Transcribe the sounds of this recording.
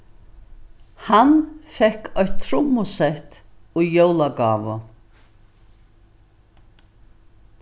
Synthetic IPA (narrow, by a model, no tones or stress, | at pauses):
hanfɛhkʰɔht̪t̪ʰɾʊmːʊsɛht̪ujowlaɡaːvʊ